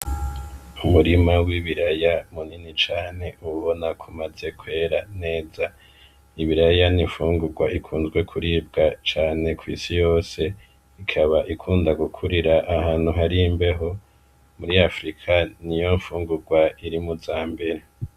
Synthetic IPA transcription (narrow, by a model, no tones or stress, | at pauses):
umuɾimawiβiɾajamuninit͡ʃaːne̞ʔuβo̞nakʰumaze̞kwe̞ːɾane̞ːza | iβiɾajaniɱfuːŋɡuɾɡwaʔikʰuːnzɡwe̞kʰuɾiːb̚ɡat͡ʃaːne̞kʰwḭːsijo̞ːse̞ | ikʰaβaʔikʰuːndaɡukʰuɾiɾaʔːhaːn̥huɦaɾimbe̞ɦo̞ | muɾiafɾikʰanijo̞ɱfuːŋɡuɾɡwaiɾimuzaːmbe̞ɾe̞